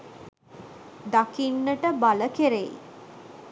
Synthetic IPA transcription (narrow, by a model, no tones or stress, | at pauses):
d̪akinːəʈəbaləkeɾej